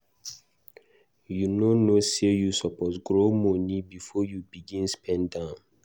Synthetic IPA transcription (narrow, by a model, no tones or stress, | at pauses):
junonosejusɔpɔtɡɹomɔ̃nibifɔjubiɡĩnspʰɛ̃ndãʊ̃n